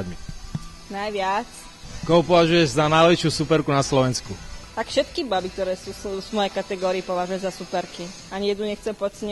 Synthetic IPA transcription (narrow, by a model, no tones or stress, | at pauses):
d̪mi | najʋɪat͡s | kɔɦɔpɔʋaʒujɛʒzanajlɛiʃjuːsupɛɾkunaslɔʋɛnskut̪akfʃɛt̪kibabik̚t̪ɔɾɛːsuːuzmɔjɛjkat̪ɛɡɔːɾiːpɔʋaʒujɛzasupɛɾki | aɲijɛd̪nuɲɛxt͡sɛpɔt͡sɛɲɛ